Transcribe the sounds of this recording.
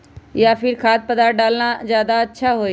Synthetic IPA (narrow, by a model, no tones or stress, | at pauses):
ɪjaːfʰɪɾkʰaːt̪̚pəd̪aɖaːlnãzjaːd̪aətːʃʰaːɦoːeː